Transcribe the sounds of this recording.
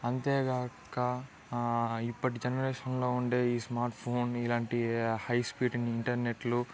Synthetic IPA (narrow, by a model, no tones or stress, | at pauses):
ɐnt̪eːɡaːkɐ | ipːɐʈid͡ʒɐnɐɾeːʂɐnlo̞ːuɳɖeːiːsmaːɾʈpʰoːnilaːɳʈihɐjspiːʈɐniɳʈɐɾne̞ʈlu